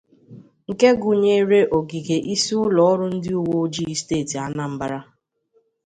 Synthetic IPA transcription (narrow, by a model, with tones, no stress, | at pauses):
ŋ̩˨ke˦ɡʊ˨ɲe˦ɾe˦ʔo˨ɡi˨ɡe˨ʔi˦si˦ʊ˦lɔ˨˦ɔ˦ɾʊ˦n̩˦dɪ˦u˦wo˦d͡ʒi˦i˦steː˦˨ti˨a˦na˨m̩˦ba˦ɾa˦